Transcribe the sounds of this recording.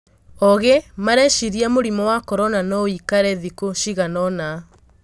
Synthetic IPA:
ɔɣemaɾɛʃiɾiamoɾimɔwakɔɾɔnanɔikaɾɛðikoʃiɣanɔna

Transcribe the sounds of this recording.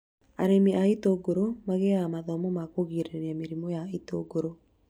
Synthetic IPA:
a̰ɾemiʔaitoɡoɾomaɣeamaðɔmɔmakoɣiɾeɾameɾimojaito̰ɡoɾo

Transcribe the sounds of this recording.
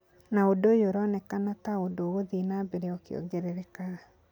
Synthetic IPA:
naodojoɾɔnɛkanataodoɣoðinabeɾeɔkjo̰ɡɛɾeɾekaɾa

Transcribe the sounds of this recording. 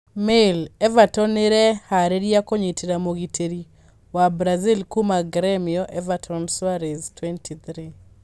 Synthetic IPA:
mɪlɛvatɔnɪɾɛhaɾeɾjakoɲetiɾamoɡitʰeɾi | wabɾazilkumaɡɾɛmiɔʔɛvatʰɔnswaɾɛztʰwɛntʰit̪ɾi

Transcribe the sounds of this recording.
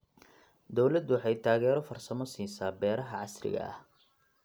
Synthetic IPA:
d̪ɔwlɐd̪ʊwħɑjt̪ʰaːɣɛːɾɔfɐrsɐmɔsiːsaːbɛːɾɐɦɐʕɑsrɪ̰ɣɐ̰ʔɐ̰h

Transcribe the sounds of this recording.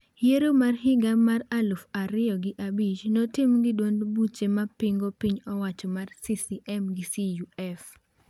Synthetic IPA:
jeɾomarɦɪɡaːaralufaɾɪjɔɡɪʔabit͡ʃnɔtɪmɡɪdwondbut͡ʃemapiŋɡopiɲɔwat͡ʃɔmarsisiʔɛmɡɪsijuɛf

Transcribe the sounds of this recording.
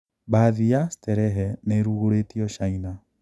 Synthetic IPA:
baːðiastɛɾɛɦɛneɾuɣoɾetiɔʃaina

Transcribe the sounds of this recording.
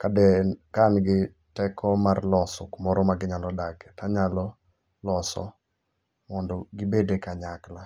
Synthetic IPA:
kadɛkanɡɪ | tɛkʰɔmarlɔsɔkmɔɾɔmaɡɪɲalɔdaɡɛtaɲalɔ | lɔsɔ̰ | mɔndɔɡɪbedekaɲakla

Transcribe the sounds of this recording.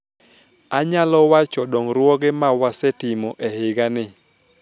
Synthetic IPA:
aɲalɔwat͡ʃɔdɔŋɾwɔɡemawasɛtɪmɔʔehɪɡanɪ

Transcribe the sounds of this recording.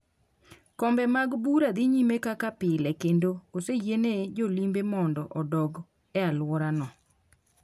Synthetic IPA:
kɔmbɛmaɡbuɾad̪iɲimekakapɪlɛkendokosejened͡ʒolimbemɔndɔʔɔdɔɡ | ɛalwɔɾanɔ

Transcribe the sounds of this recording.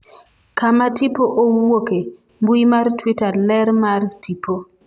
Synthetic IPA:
kamatipoʔowoke | mbuimartwitarlɛɾmartipʰo

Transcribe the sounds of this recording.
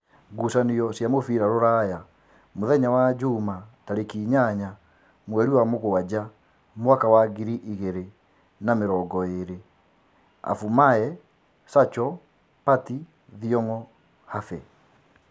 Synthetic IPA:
ɡusaniɔsjamofiɾaɾoɾaːja | moðɛɲawad͡ʑumataɾekiːɲaɲa | mwɛɾiwamoɣoad͡ʑa | mowakawaɡiɾiʔiɣeɾe | nameɾɔːɡɔeɾe | a̰fumaɛ | sat͡ʃɔ | pati | ðiɔŋɔ | hafɛ

